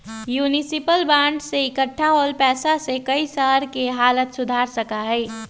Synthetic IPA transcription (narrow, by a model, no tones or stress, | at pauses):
juːnisipəlbãːɳɖseɪkəʈʰːaɦoːlpɛːsasekəisəɦɾkeɦaːlət̪sʊd̪ʱaːɾsəkaɦɛː